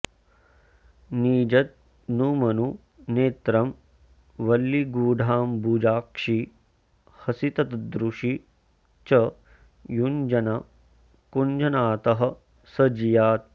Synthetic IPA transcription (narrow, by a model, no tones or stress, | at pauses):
niːd͡ʒɐt̪̚ | nuːmɐnu | neːt̪ɾɐm | ʋɐlːiɡuːɖʱaːmbuːd͡ʒaːkʂi | hɐsit̪ɐt̪d̪ɾuʂi | t͡ʃɐ | jund͡ʒɐnɐ | kund͡ʒɐnaːt̪ɐɦɐ̆ | sɐd͡ʒijaːt̪̚